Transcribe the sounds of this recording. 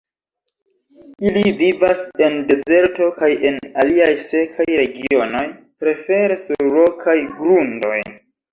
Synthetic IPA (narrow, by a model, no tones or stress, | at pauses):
ilivivase̞nde̞ze̞ɾto̞kaje̞naliajse̞kʰajɾe̞ɡio̞no̞jpɾe̞fe̞ɾe̞suɾlo̞kʰajɡɾundo̞̰j